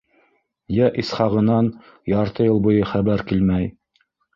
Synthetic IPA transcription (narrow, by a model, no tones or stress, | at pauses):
jæʔisχɑʁɤ̆nɑn | jɑɾt̪ɤjɤlˠbujɤχæβæɾkilmæj